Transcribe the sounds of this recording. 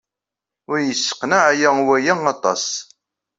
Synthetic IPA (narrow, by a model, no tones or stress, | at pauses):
ʊɾjəsːə̥qːnaʕjæwæjæɑt̪ˤɑ̰s